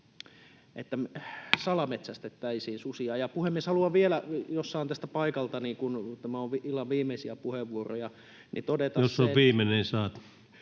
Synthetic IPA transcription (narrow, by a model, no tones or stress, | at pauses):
ḛt̪ːæmsɑlɑmet̪sæst̪et̪ːæisiːnsusiɑːjɑpuhemːieshɑluɑʋʋielæjosːɑint̪æst̪æpɑikɑlt̪ɑniːkunt̪æmæoʋʋiilːɑʋʋiːmˑeisiæpuheʋːuoro̰jɑ | nit̪odet̪ɑjosːoʋiːmenensɑːt̪u̥